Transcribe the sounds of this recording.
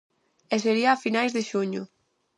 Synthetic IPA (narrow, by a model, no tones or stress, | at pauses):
ɛseɾiaːfinajzðeʃuɲʊ̰